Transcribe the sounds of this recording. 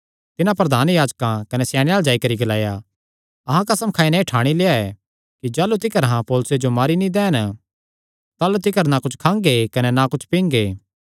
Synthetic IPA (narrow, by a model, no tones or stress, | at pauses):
t̪ɪnãpɾɐd̪ʱaːnjaːd͡ʒkãkɐnɛsjaːɽ̃jaːld͡ʒaːikɐɾiɡɐlaːja | ɐɦãkɐsəmkʰaːinɛiʈʰaːɽ̃ileːaɛ | kid͡ʒaːlut̪̬ɪkəɾɦãpɔːlʊsed͡ʒomaːɾinĩd̪ɛːən | t̪aːlut̪ɪkəɾnakʊt͡ʃʰkʰãːŋɡekɐnɛnakʊt͡ʃʰpĩːŋɡeː